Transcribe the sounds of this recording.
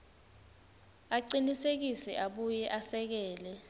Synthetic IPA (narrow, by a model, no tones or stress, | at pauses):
aǀinisek̬isɛ̰ʔaɓujɛʔasɛk̬ɛːlɛ